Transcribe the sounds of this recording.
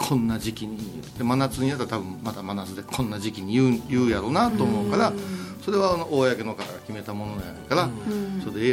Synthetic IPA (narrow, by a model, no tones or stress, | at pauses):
kʰõ̞nːaʑikʲiɲ̟i | t̪ːemanat͡sɨɲinat̪ːat̪abɯ̟̃mmat̪amanat͡sɨd̪e̞kʰõ̞nːaʑikʲiɲ̟ijɯjɯːjaɾo̞nat̪oːmo̞ːkaɾaso̞ɾe̞βanoʔoːjake̞no̞kat̪aɡakʲime̞t̪amo̞no̞ja̰ɾokaɾasode